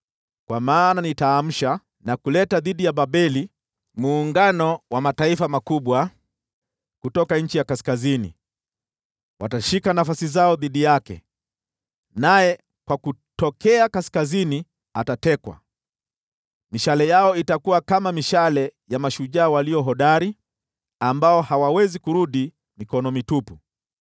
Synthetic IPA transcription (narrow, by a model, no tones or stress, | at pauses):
kwamaːnanitaːm̩ʃa | nakulɛtaðiɗijaɓaɓɛli | muːŋɡanɔwamataifamakuɓwa | kutɔkaɲ̩t͡ʃijakaskazinḭ | wʔa̰taʃikanafasizaɔðiɗijakɛ̰ | najɛ | kwakutɔkɛakaskazini | atatɛkwa̰ | miʃalɛjaɔitakuwakamamiʃalɛjamaʃuʄaːwaliɔɦɔɗaɾi | ambaɔhawawɛzikuɾuɗi | mikɔnɔmitupu